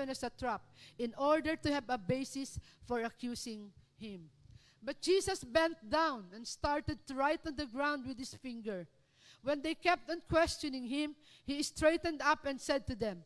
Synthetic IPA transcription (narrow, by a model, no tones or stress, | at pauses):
ɛ̃næsɐt̪ɹap̚ɪ̃nɔɹd̪əɹt̪ʊhɛvɐbeɪsɪs | fɔɹɐkjusɪ̃ŋ | hɪ̃m | bɐt̪̚d͡ʒ̥iːsɐsbɛ̃nt̪̚d̪ãʊ̃nɛ̃nst̪ɑɹt̪ɛd̪̚t̪ʊɹajt̪ɔ̃nd̪əɡɹãʊwnd̪̚wɪd̪̚hɪsfɪ̃ŋɡəɹ | wɛ̃nd̪ejkɛp̚t̪ə̃nkwɛst͡ʃɔnɪ̃ŋhɪ̃mhiɪst̪ɹeɪt̪ɨ̃nd̪apɛ̃nsɛd̪̚t̪ʊd̪ɛ̃m